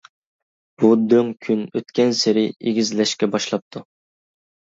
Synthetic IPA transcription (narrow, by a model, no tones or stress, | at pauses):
b̥ud̪øŋkʲʰynøt̪kʲɛnsɪɾɪeɡʲizlɛʃkʲɛbɑʃlˠɑp̚t̪ʰu